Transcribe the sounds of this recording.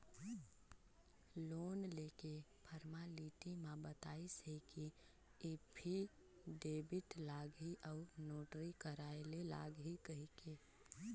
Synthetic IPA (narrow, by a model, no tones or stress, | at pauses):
loːnleːkepʰəɾmaliːʈimãbət̪aːisɦeki | epʰi | ɖeːbɪt̪laːɡiʔəʊnoːʈɾikəɾaːelela̰ːɡɦikəɦike